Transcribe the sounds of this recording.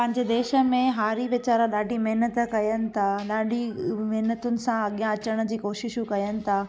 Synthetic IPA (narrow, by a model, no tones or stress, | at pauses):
pɐ̃ɦɪ̃ɲd͡ʑed̪eːʃə̆mẽɦaːɾiʋɪt͡ɕaːɾãɗaːɖʱimɐɦnət̪kɐjənɪ̆t̪ʰaɗaːɖʱimɐɦnət̪ʊnɪ̆sãɐɠijãɐt͡ɕəɽ̃ə̆d͡ʑiːkoːʃɪʃkɐjənɪ̆t̪ʰaː